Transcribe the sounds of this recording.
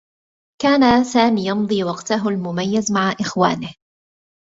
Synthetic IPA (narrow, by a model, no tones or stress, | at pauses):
kaːnasaːmiːjɑmd̪ˤiːwɑqt̪aɦʊlmʊmajːazmaʕaʔɪxwaːnɪh